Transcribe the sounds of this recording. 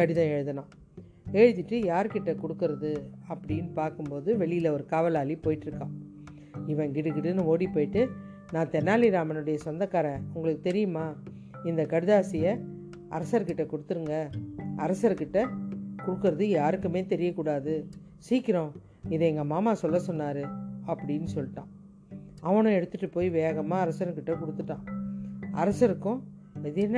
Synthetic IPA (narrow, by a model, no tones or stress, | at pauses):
kɐɽɪðɐ̃ɛɻɯðɐnãː | eːɻɯt̪ːɪʈːɯjaːɾkɪʈːɐkɔɽɯkːɯɾɐðɯɐpːɐɽɪjnpaːɾkɯmpoːðɯʋɛɭɪjɪlɐɔɾɯkaːʋɐlaːlipoːjɪʈːɪɾɯkːãː | ɪʋɐ̃ŋɡɪɽɯkːɪʈːɯnɯoːɽipːoːjɪʈːɯ | nãːt̪ɛnːaːlɪɾaːmɐnɯɽɐjɐsɔnd̪ɐkːaːɾɐ̃ʊŋɡɐɭɯkːɯt̪ɛɾɪjɯmaː | ɪnd̪ɐkɐɽɪðaːsɪjɐ | ɐ̰ɾɐsɐɾkɪʈːɐkʊɽɯt̪ːɯɾɯŋɡɐɐɾɐsɐɾkɪʈːɐkʊɽɯkːɯɾɐðɯjaːɾɯkːɯmeːt̪ɛɾɪjɐkuːɽaːðɯ | siːkːɪɾõ | ɪðɛɛŋɡɐmaːmaːsɔlːɐsɔnːaːɾɯɐpːɐɽɪnːɯsɔlːɪʈːãː | ɐʋɐɳʊ̃ɛɽɯt̪ːɯʈːɯpoːjʋeːɣɐmaːɐɾɐsɐɾkɪʈːɐkʊɽɯt̪ːɯʈːãː | ɐɾɐsɐɾɯkːʊ̃ | ɛðɪn